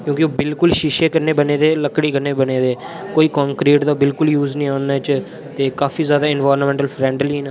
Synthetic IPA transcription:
kjõːkɪoːbɪlkʊlʃiːʃeːkəɾneːbəneːd̪eːləkɽiːkəneːbəneːd̪eː | koːiːkãːŋkɾiːʈd̪aːbɪlkʊljuːznĩːaːnːaːt͡ʃ | t̪eːkaːfiːzjaːd̪aːɪnʋaːɾmɛ̃ɳʈəlfʰɾɛ̃ːɳɖliːnaː

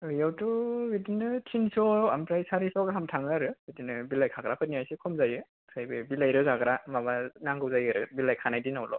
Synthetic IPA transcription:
ɯjawtɔbidinɯtʰinsɔamtɾajsaɾisɔɡɦamtʰaŋɯaɾɯbidinɯbilajkʰaɡɾapʰɯniajsikʰɔmzajɯ | sajbɯbilajɾɯzaɡɾamabanaŋɡɯwzajɯɾɯbilajkʰanajdinawlɔ̰

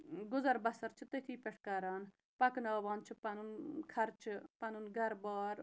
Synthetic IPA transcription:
ɡʊzɐɾbɐsɐɾt͡ʃʰt̪et̪ʰiːpeʈʰkaːɾaːn | pɐknaːʋaːnt͡ʃʰpɐnunkʰɐɾt͡ʃʰpɐnunɡɐɾbaːɾ

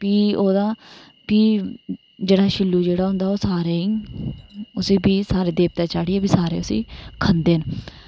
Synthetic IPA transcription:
piːoːd̪aː | piː | d͡ʒeːɽaːʃɪlːuːd͡ʒeːɽaːɦʊ̃nd̪aːoːsaːɾeːĩ | ʊsĩːbiːsaːɾeːd̪eːp̚t̪aːt͡ʃaːɽiɛːbiːsaːɾḛːʊsḭːkʰənd̪eːn

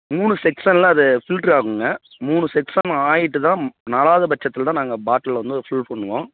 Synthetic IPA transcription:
muːɳɯsɛksanlãːɐðɯfɪlʈɾaːɣɯŋɡɐ | muːɳɯsɛksaːnaːjɪʈːɯt̪ãːnaːlaːðɐbɐt͡ʃːɐt̪ːɪlt̪ãːnaːŋɡɐbaːʈːɐlʋɐnd̪ɯɔɾfʊlpɔɳːɯʋõː

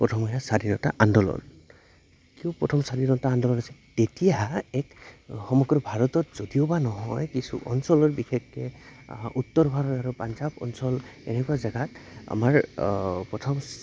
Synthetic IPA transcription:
pɹɔtʰɔmɔjasadinɔta̰ʔandɔlɔ̰n | kiɔpɹɔtʰɔmsadinɔtaːndɔlɔnasɛtetijaɦaɛkxɔmɔɡɹɔbʱaɹɔtɔtz̥odijobanɔɦɔjkisṵʔɔnsɔlɔɹbixɛkːɛ | utːɔɹbʱaɾɔtaɹupanzabɔ̰nsɔlḛnɛkuwazaɡata̰maɹpɹɔtʰɔm

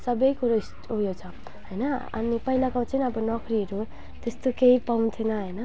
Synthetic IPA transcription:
sʌbʌjkuɾʌis | ujot͡sʰʌ | ɦʌjnʌʌ̰nipʌɦilakaw̃t͡sʰʌnʌbʌnʌkriʌɾu | t̪est̪okeipawnt̪ʰenʌɦʌjnʌ

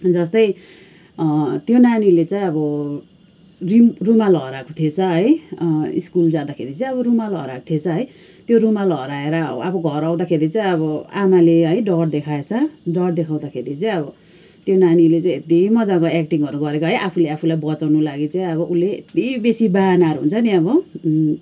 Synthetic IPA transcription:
d͡zʌst̪ʌj | t̪jonanilet͡saj̃ʌbʌ | rimrumalʌɾako̥t̪ʰiet͡sʰʌɦʌjḭskuld͡zad̪akʰeɾit͡saĩʌβʌrumalʌɾako̥t̪ʰet͡sʰʌɦʌjt̪joɾumalʌɾaeɾʌ̰ʌbʌɡʱʌɾaw̃d̪akʰeɾit͡saĩʌbʌamaleɦʌjɖʌɽd̪ekʰaet͡sʰʌɖʌɽd̪ekʰaw̃d̪akʰeɾit͡saj̃ʌbʌ | t̪jonanilet͡saj̃et̪imʌd͡zakoekʈiŋʌɾuɡʌɾekoɦʌjʔapʰuleapʰulajbʌt͡sawnulaɡit͡saij̃ʌβʌʔuleḛt̪ibesibanaʌɾuɦṵnt͡sʰʌniʌβʌ

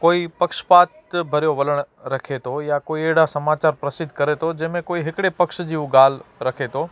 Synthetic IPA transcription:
koːipɐkʃpaːt̪bʱɐɾjoʋɐləɽ̃ | ɾɐkʰet̪ʰojakoːieːɽasɐmaːt͡ʃaːɾpɾɐsɪd̪ʱkəɾet̪ʰod͡ʒɛ̃ːmẽkoːiɦɪkɽepɐkʃd͡ʒiːũɡaːlɾɐkʰet̪ʰoː

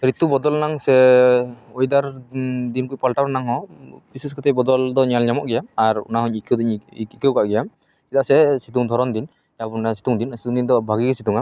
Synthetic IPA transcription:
ɾit̪ubɔd̪ɔlnaŋsɛ | ojd̪aɾd̪inkupalʈaɾnaŋɦɔpisuskʰat̪ʰɛbɔd̪ɔld̪ɔɲalɲamɔʔɡɛjamaɾṵnaɦɔɲkʰd̪ɲikɛwkaʔɡɛjam | kit̪aʔsɛsit̪uŋd̪ʱɔɾɔnd̪in | japunasi̥t̪uŋd̪insit̪uŋd̪ind̪ɔbʱaɡikɛsit̪uŋa

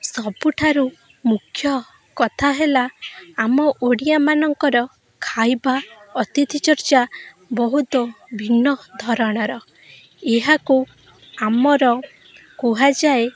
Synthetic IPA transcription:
sɔbuʈʰaɾu | mukʰjɔ | kɔt̪ʰaɦelaːmɔʔoɽijamanɔŋkɔɾɔ | kʰajbaɔt̪it̪it͡ʃɔɾt͡ʃa | bɔɦut̪ɔbʱinːɔd̪ʱɔɾɔɽ̃ɔɾɔ | eɦaku | amɔɾɔ | kuɦad͡ʒae

